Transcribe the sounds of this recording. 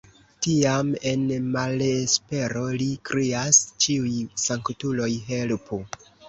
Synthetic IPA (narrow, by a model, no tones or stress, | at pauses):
tiame̞nmalespe̞ɾo̞likɾeast͡ʃiujsaŋktulo̞jɦe̞lpo